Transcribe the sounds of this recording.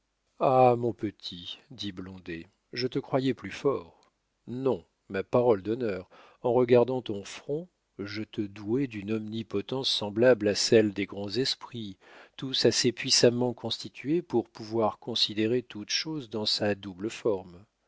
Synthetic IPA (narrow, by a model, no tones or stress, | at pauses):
amɔ̃pət̪ʰid̪iblɔ̃d̪e | ʒət̪əkχwajɛplyfɔʁ | nɔ̃ | mapaʁɔld̪ɔnœʁ | ɑ̃ʁəɡaʁd̪ɑ̃t̪ɔ̃fχɔ̃ | ʒət̪əd̪uɛd̪ynɔmnipɔt̪ɑ̃sːɑ̃blablasɛld̪eɡʁɑ̃zɛspχit̪usasepɥisamɑ̃kɔ̃st̪it̪ʰɥepuʁpuvwaʁkɔ̃sid̪eʁet̪ut̪ʃozd̪ɑ̃sad̪ubləfɔʁm